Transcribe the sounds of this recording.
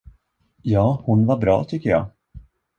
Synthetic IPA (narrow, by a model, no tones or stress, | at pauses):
jɑːhʊnvaɾbɾɑ̰ːt̪ʰʏkːəjɑ̰ː